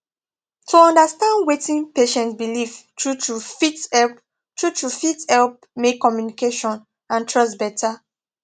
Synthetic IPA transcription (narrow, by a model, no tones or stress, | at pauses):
tʰuɔ̃ndastãndwetĩnpeʃɛ̃ntbilivtɹutufitɛ | tɹutufithɛlp̚ | mekːɔmjunikeʃɔ̃n | ãntʰɹɔstbɛta